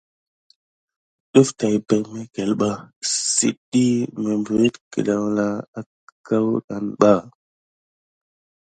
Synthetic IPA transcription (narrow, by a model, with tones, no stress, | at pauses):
ɗu˦fta˨jbe˨kme˦ke˨lɓa˦sḭ˨ɗi˦me˨mbɾe˦tkḭ˨ɗa˨wla˦a˦ | ka˦wɗa˨nɓa˦˨